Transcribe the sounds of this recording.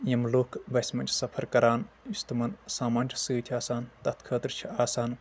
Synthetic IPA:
jɐmloːkʰbɐsmɐnʲt͡ʃʰsɐpʰɐɾkɐɾaːn | ist̪umɐnsaːmɐːnʲt͡ʃʰsɨːt̪ʰiaːsaːnt̪ɐt̪kʰəːt̪ɾt͡ʃʰiaːsaːn

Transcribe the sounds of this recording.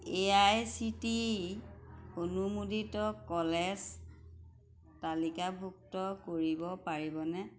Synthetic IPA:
eajsiti | onumuditɔkɔlɛs | talikabʱuk̚tɔkoɹibɔpaɹibɔnɛ

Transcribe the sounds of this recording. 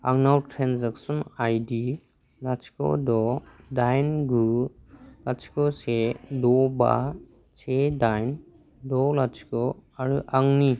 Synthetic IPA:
aŋnawtʰɾenzaksɔnajdi | lat͡ʃkɔ̰dɔdajnɡu | lat͡ʃkɔsedɔba̰ | sedajn | dɔlat͡ʃʰkɔaɾuʔaŋni

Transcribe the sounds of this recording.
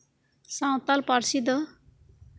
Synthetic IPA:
sãw̃t̪alpaɾsid̪ə

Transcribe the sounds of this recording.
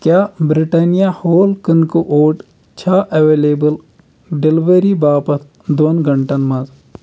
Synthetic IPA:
kjaːbɾiʈaːnijahoːlkənkuʔoːʈ | t͡ʃʰaːʔɐʋeːleːbəl | ɖelʋəɾibaːpɐt̪̚ʰ | d̪oːnɡɐɳʈɐnmɐz

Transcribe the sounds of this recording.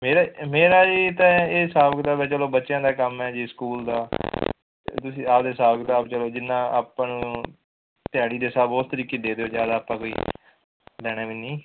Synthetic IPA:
meːɾaːmeːɾaːd͡ʒiːt̪ãːeːsaːbəkd̪aːbɛːt͡ʃəloːbətːʃjãːd̪aːkəmɛːd͡ʒiːskuːld̪a̰ː | t̪ʊsĩːaːpd̪eːsaːbəkd̪aːbt͡ʃəloːd͡ʒɪnːãːa̰ːpãːñː | t̪ɪjaːɽiːd̪eːsaːboːst̪əɾiːkeːd̪eːd̪eːoːd͡ʒja̰ːd̪aːpãːkoːḭː | lɛːɽ̃aːʋiːnĩː

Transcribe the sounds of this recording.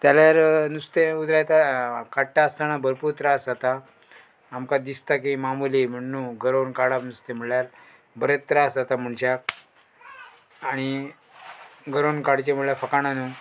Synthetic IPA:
t̪jaljaɾnust̪ẽud͡z̪ɾajt̪akaʈaːst̪añabəɾpuɾt̪ɾasat̪aː | mkad̪ist̪ak̬imamulim̤əɳːũːɡʱəɾonkaɽapnust̪em̤əɭljaɾ | bəɾət̪ːɾasat̪am̤əɳɕak̚ | aɽ̃i | ɡəɾonkaɽt͡ɕem̤əɭɭjafəkañanu

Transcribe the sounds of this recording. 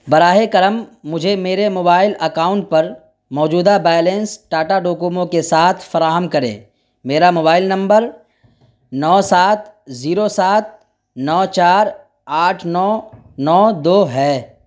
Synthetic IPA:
bɐɾaːɦekɐɾəmːʊd͡ʒʱemeːɾemoːbaːɪlɐkaːʊ̃ɳʈ̚pɐɾ | mɔːd͡ʒuːd̪abɛːjlẽnsʈaːʈaɖoːkuːmõkesaːt̪ʰfɐɾaːɦəmkɐɾḛ̃ː | meːɾamoːbaːɪlnɐ̃mbəɾ | nɔːsaːt̪̚ʰziːɾosaːt̪̚ | nɔːt͡ʃaːɾ | aːʈʰnɔː | nɔːd̪oːɦɛː

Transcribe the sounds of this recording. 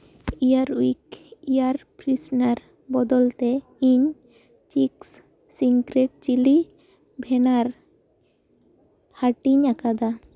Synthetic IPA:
ijaɾuikijaɾpɾisnaɾ | bɔd̪ɔlt̪e | iɲ | t͡ʃiks | siŋkɾeʈ̚t͡ʃili | bʱɛnaɾ | haʈiɲakad̪a

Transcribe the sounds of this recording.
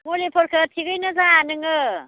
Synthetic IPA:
molepʰɔɾkʰatʰiɡɯjnɐzaːnɯŋɯ

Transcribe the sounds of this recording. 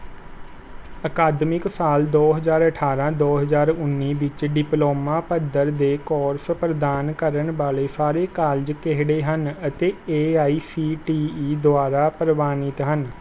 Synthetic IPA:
əkaːd̪mɪksaːld̪oːɦəzaːɾəʈʰaːɾãːd̪oːɦəzaːɾʊnːiːʋɪt͡ʃɖɪploːmaːpəd̪əɾd̪eːkɔːɾspɾəd̪aːnkəɾəɳbaːleːsaːɾeːkaːld͡ʒkeɦɽeːɦənət̪eːeːaːiːsiːʈiːiːd̪ʊaːɾaːpəɾʋaːnɪt̪ɦən

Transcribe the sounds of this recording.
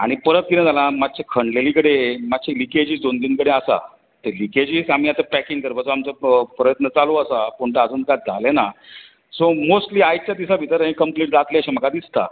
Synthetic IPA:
aɽ̃ipəɾət̪̚kiɾẽd͡zalãmat̪ːɕakʰəɳɖlelikəɽemat̪ːɕʰeliked͡ʑiːsd̪ond̪iːnkəɽeasa̰ | t̪eliked͡ʑiːsamiːat̪epɾækiŋɡkəɾbat͡soamt͡səpɾəjət̪nət͡saloəsapuɳʈ̪əad͡zuːnkat̪̚d͡zʱalena | somosʈliːajt͡ɕjad̪isabʱit̪əɾaɦĩkəmpliːʈ̚d͡zat̪leəɕem̤əkad̪ist̪a̰

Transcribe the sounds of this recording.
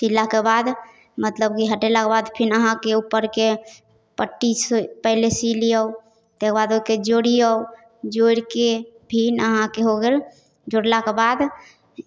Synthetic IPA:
silːakebad̪ | mət̪ləb̚kiɦəʈelakebad̪pʰinəɦãkeupːəɾke | pəʈːispəɦlesilijəu | t̪ekebad̪oiked͡ʒoɽiəw | d͡ʒoɾkebʱinəɦãkeɦoɡel | d͡ʒoɽlakebad̪

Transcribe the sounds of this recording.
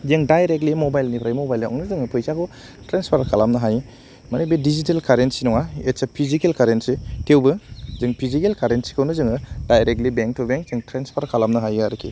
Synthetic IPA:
zeŋdajɾek̚tlimobajlnipʰɾajmobajlɔ̰ŋnɯzɯŋɯpʰɯjsakɔ | tɾenspʰaɾkʰalamnɯɦaj | manibedizitelkʰaɾentsinɔŋaetsapʰizikelkʰaɾentsetʰewbɯzɯŋpʰizikelkʰaɾentsi̥kʰawnɯzɯŋɯd̥ajɾek̚tlibeŋk̚tʰubeŋkzeŋtɾenspʰaɾkʰalamnɐɦajɡaɾɯkʰḭ

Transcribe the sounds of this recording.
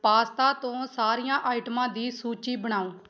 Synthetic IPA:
paːst̪aːt̪õːsaːɾijãːʔaːɪʈəmãːd̪iːsuːt͡ʃiːbəɽ̃aːõː

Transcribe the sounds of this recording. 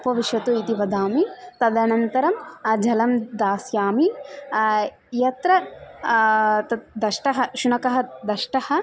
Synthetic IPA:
pɐʋiʃʋɐt̪uit̪iʋɐd̪aːmit̪ɐd̪ɐnɐnt̪ɐɾɐmd͡ʒʱɐlɐmd̪aːsjaːmi | jɐt̪ɾɐ | t̪ɐd̪ɐʃʈɐɦɐʃunɐkɐɦɐd̪ɐʃʈɐhɐ̆

